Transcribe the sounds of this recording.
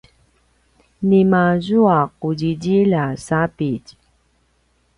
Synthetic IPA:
nimazuaquɟiɟilasapic

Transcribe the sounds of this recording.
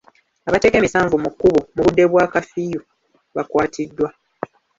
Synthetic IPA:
aβate̞ːke̞ːmisaːɱvumukːuβumuβudːe̞βwaːkafiju | βakwaːtʰidːwa

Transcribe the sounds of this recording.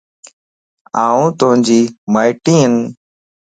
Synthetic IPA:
aːũːt̪ʊɦə̃d͡ʒiːmaːɪʈĩːɦən

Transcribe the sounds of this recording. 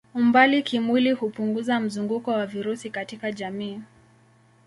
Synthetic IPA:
umbalikimwilihupuŋɡuzam̩zuŋɡukɔwaviɾusikatikaʄamiː

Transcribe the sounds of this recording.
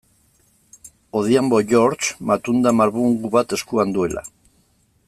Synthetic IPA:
oðjamboʎoɾt͡ʃmat̪und̪amaɾβuŋɡuβat̪eskuand̪welʔa̰

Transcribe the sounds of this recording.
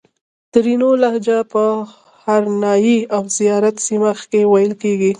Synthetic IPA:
t̪ɾinolahd͡ʒapə | haɾnɑjiawzijɑɾat̪simaxkewajəlkeɡi

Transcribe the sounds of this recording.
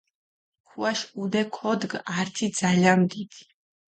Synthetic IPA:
kʰuaʃud̪ɛkʰɔd̪ɡaɾt̪ʰid̪z̥alianmd̪id̪̥i̥

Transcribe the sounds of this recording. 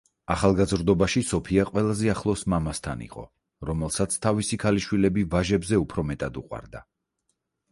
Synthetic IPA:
aχalˠɡazɾd̪ɔbaʃisɔpʰiaqʼwɛlˠazɛaχlˠɔsmamast̪ʰa̰nḭqʼɔ̰ | ɾɔmɛlˠsat̪sʰt̪ʰavisikʰaliʃwilɛbivaʒɛbzɛupʰɾɔmɛt̪ʼad̪ṵqʼwa̰ɾd̪a

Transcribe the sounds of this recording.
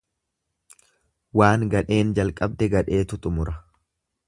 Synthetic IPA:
waːŋɡɐᶑe̞ːnd͡ʒɐlkʼɐb̚d̪ɛɡɐᶑe̞ːt̪ʊt̪ʼʊmʊɾɐ

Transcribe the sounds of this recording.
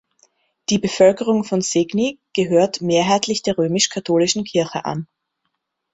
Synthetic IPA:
d̥iːbəfœlkəʁʊŋfɔnzɪɡniɡ̥əɦøːɐtmeːɐɦaɪtʰlɪçd̥eːɐʁøːmɪʃkʰatʰoːlɪʃn̩kʰɪɐçə̰ʔa̰n

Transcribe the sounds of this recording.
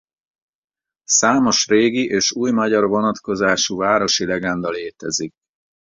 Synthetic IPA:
saːmo̞ʃreːɡiʔeːʃuːjmɒɟɒrvo̞nɒt̪ko̞zaːʃuvaːɾo̞ʃilɛɡɛnd̪ɒleːt̪ɛzik̚

